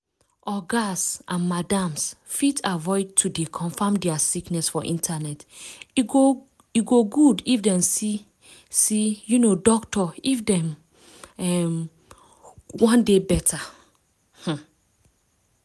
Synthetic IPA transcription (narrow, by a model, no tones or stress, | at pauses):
ɔɡasãnmadãmsfitʰavɔɪd̚tʰudekʰɔ̃ɱfãmdɛasiknɛsfɔʔḭ̃ntʰanɛtiɡo | iɡoɡudifdɛ̃msi | sijunodɔktɔifdɛ̃m | ɛm | wɔ̃ndebɛtʰa | h̩